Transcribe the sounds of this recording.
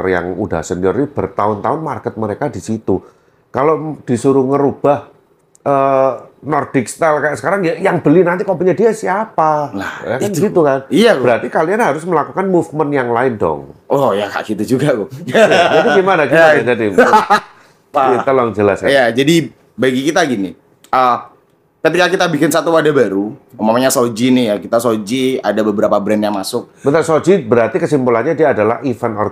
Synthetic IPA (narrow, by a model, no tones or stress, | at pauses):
rja̰ŋuda̰hsəniɔrnib̥ərt̪aʊnt̪aʊnmarkət̪̚məɾekadisit̪u | kalod̥isuɾuŋəɾub̥ah | ʔəːnɔrd̥ɪkst̪alkajaʔsə̥kaɾaŋjajaŋb̥əlinant̪ikaup̬uɲadiasiapalajakandiɡit̪ukaniabəɾart̪ikalianɦaɾʊsməlakukanmufmənjaŋlaɪndɔ̰ŋʔɔjaka̰ʔkit̪ud͡ʒuɡakʊaaɡimanaɡiad͡ʒadi | ait̪əlɔŋd͡ʒəlasjad͡ʒadi | baɡikit̪aɡini | ə | kət̪ikakit̪abikɪnsat̪uadabaɾuumamɲasod͡ʒinɪhjakit̪asod͡ʒia̰dabəbəɾapabɾɛnjaŋmasʊk̚bət̪asod͡ʒibəɾart̪ikəsimpulanɲadiaːdala̰hifənɔ̰r